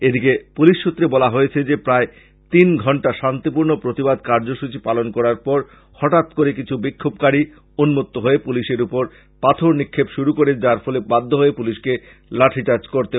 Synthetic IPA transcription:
ed̪ikepuliʃːut̪ːɾebɔlaɦojet͡ɕʰed͡ʑepɾae | t̪inɡʱɔɳʈaʃant̪ipuɾnopɾot̪ibad̪̚kaɾd͡ʑoʃut͡ɕipalonkɔɾaɾpɔɾ | hɔʈat̪koɾek̬it͡ɕʰubikʰːob̚kaɽi | unmot̪ːoɦoepuliʃeɾupoɾ | pat̪ʰoɾnikʰːebʃuɾukoɾed͡ʑaɾfɔlebad̪ʱːoɦoepuliʃke | laʈʰit͡ɕaɾd͡ʑkoɾt̪e

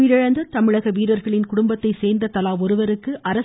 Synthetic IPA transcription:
ɪɾɪɻɐnd̪ɐt̪ɐmɪɻɐɣɐʋiːɾɐɾɣɐɭɪnkʊɽʊmbɐt̪ːɐɪseːɾnd̪ɐt̪ɐlaːʋɔɾɯʋɐɾɯkːɯʔɐɾɐ

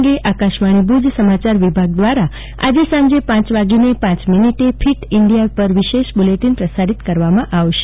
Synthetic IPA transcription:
ɡeʔakaʃmaɽ̃ibʱud͡ʒsəmat͡ʃaɾʋibʱaɡ̚d̪ʋaɾa | a̰d͡ʒesãmd͡ʒepãt͡ʃʋaɡinepãt͡ʃminiʈepʰiʈiɳɖijapəɾʋiʃeʃbuleʈinpɾəsaɾit̪kəɾʋamãʔaʋʃe̥

